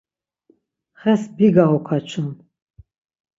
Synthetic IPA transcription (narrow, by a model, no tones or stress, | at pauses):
χɛsbiɡaʁɔkʰat͡ʃʰun